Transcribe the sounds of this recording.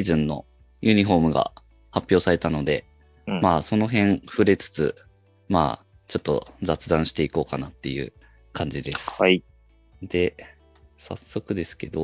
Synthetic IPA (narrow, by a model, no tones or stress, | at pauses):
izɨ̃nːo̞̰ | jɯ̟ːɲ̟iɦo̞ːmɯ̟ɡa̰ | hapʲjo̞ːsaɾe̞t̪ano̞d̪e̞ | maːso̞no̞ɦẽ̞ɴ̃ɸɯ̟ɾe̞t͡sɨ̥t͡sɨ̰ | ma̰ː | t͡ɕo̞t̪ːo̞̰d͡zat͡sɨd̪ãɕi̥t̪e̞iko̞ːkanat̪ːe̞jɯ̟̰ | kʰãɲ̟d͡ʑid̪e̞sɨ̥i | d̪e̞ | sa̰sːo̞kɯ̟d̪e̞sɨ̥ke̞d̪o̞